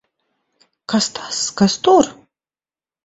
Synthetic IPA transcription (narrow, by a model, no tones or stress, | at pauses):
kʰast̪ʰaskast̪ʰor